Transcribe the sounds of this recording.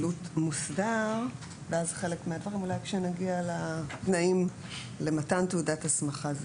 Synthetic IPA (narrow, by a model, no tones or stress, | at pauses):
lutmusdaʁ | veazχe̞lekmeadvaʁimulajkʃenaɡialatnaim | le̞matanteudatasmaχaz